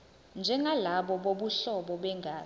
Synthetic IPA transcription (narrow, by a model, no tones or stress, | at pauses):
nd͡ʒʱɛŋalaɓɔɓoɓuɬɔɓɔɓɛŋɡʱaː